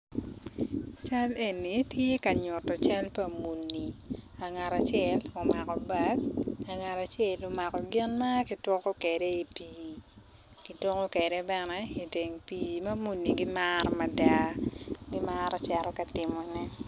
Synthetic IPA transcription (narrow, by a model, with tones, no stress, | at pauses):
t͡ʃa˦le˨ni˨tje˦ka˨ɲʊ˨tɔ˨t͡ʃa˦lpa˨mu˨nːi˨a˨ŋa˨ɾa˨t͡ʃjɛ˨lo˨ma˨kɔ˨ba˦ɡ̚a˨ŋa˨ɾa˨t͡ʃjɛ˨lo˨ma˨kɔ˨ɡɪ˦nma˦ki˨twɔ˦kɔ˦kɛ˨de˦i˨piː˨ | ki˨to˦kɔ˦kɛ˨de˦bɛ˦nɛ˦i˨te˨ŋpiː˨mɐ˦mu˨nːi˨ɡɪ˦maɾɔ˦ma˦da˦ɡɪ˦maɾɔ˦t͡ʃɛ˨ɾɔ˦ka˨tɪ˨mɔ˨nɛ˦